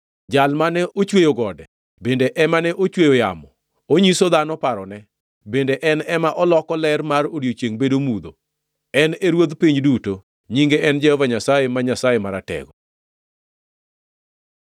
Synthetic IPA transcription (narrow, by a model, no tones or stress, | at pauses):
d͡ʒalmanɛʔot͡ʃwejoɡɔdɛ | bendeʔɛmanɛʔot͡ʃwejoja̰mɔ | oɲisod̪anɔpaɾɔnɛ | bendeʔɛnɛmaʔɔlɔkɔlɛrmaroɾjot͡ʃjeŋbedomud̪o | ɛneɾwod̪piɲduto | ɲiŋɡeɛnd͡ʒɛhɔvaɲasajemaɲasajemaɾatɛ̰ɡɔ